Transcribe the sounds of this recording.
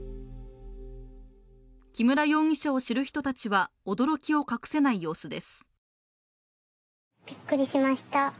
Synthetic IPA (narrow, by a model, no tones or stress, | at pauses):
kʲimɯ̟ɾajo̞ːɲ̟ʲiɕao̞ɕiɾɯ̟çʲi̥t̪o̞t̪at͡ɕiβao̞d̪o̞ɾo̞kʲio̞kakɯ̟̥se̞naijo̞ːsɨd̪e̞sɨ̥ | b̥ʲikːɯ̟ɾʲiɕimaɕi̥t̪a